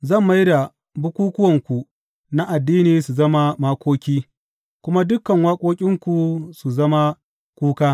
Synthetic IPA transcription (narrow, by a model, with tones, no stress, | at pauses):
zɐ˦˨mːa˦jda˨ | bʊ˦kʷuː˦kʊ˦wɐ˨ŋkʷu˨ | na˦ʔa˨dːiː˦niː˨su˨zɐ˦ma˦ma˦kʷoː˦kʲiː˦ | kʷʊ˦ma˦dʊ˦kːɐ˨ŋwaː˦kʷʼoː˦kʲʼɪ˦ŋkʷu˨su˨zɐ˦ma˦ | kʷuː˦kaː˦